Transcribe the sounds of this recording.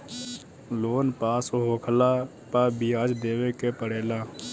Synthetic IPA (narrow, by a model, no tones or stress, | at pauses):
loːnpaːsoɦoːkʰəlaː | paːbiaːd͡ʒd̪eːʋeːkepəɽeːlaː